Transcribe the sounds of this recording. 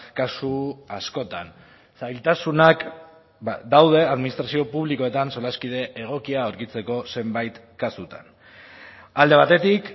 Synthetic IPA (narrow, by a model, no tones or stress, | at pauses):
kasuasko̞t̪a̰n | sajlt̪asunak | d̪awð̞e̞aðminist̪ɾasio̞puβliko̞e̞t̪anso̞laskið̞e̞ʔeɣ̞o̞kiaoɾkit͡se̞ko̞se̞mbajt̪ | kasut̪an | ald̪e̞β̞at̪e̞t̪ik